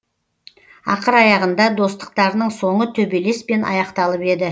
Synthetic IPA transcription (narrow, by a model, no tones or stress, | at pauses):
ɑ̰qəɾɑjɑʁənd̪ɑd̪o̞st̪ə̥q̚t̪ɑɾənəɴso̞ɴət̪ʰɵbe̞le̞spe̞nɑ̰jɑqt̪ɑlˠəpe̞d̪ɪ